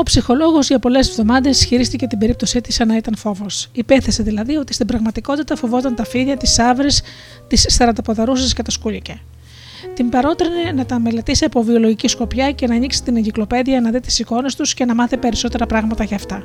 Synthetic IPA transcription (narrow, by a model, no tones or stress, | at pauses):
o̞psixo̞lo̞ɣo̞zʝɐpo̞le̞sevðo̞mɐðe̞sçiɾist̪icet̪ibe̞ɾip̚t̪o̞sit̪isɐnɐit̪ɐnfo̞vo̞sipe̞θe̞seðilɐðio̞t̪ist̪ibɾɐɣmɐt̪iko̞t̪it̪ɐfo̞vo̞t̪ɐnt̪ɐfiðɐt̪isɐvɾis | t̪isθɐɾɐnd̪ɐpoðɐɾusescet̪ɐskuʎice | t̪imbɐɾo̞t̪ɾinenɐt̪ɐme̞le̞t̪isiɐpo̞vio̞lo̞ʝicisko̞pçɐce̞nɐːɲiksi̥t̪ineɟiklo̞pe̞ðiɐnɐðit̪i̥siko̞ne̞st̪usce̞nɐmɐθipe̞ɾiso̞t̪e̞ɾɐpɾɐɣmɐt̪ɐʝɐːft̪ɐ